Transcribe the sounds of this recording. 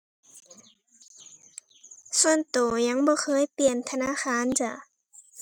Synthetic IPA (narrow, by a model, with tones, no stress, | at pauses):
su˧ənt̪oː˨˩ɲa˧˥˨ŋbɔː˧˦xʰɤː˧˥˨jpli˨˩ənt̪ʰa˧naː˧˥˨xaː˧˥˨nt͡ɕa˧˩˨